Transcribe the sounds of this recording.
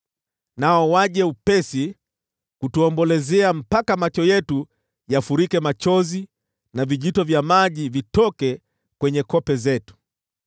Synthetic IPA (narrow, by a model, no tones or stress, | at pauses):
naɔwaʄɛupɛsi | kutuɔmbɔlɛzɛam̩pakamat͡ʃɔjɛtu | jafuɾikɛmat͡ʃɔzi | naviʄitɔvjamaʄivitɔkɛ | kwɛɲɛkɔpɛzɛtu̥